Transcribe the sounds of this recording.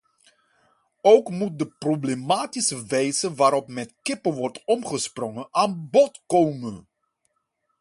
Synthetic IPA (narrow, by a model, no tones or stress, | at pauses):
owkmut̚dəproblemaːtisəʋɛjzəʋaːɾɔpmɛtkɪpəʋɔrtɔmχəsprɔŋəaːnbɔtkowmən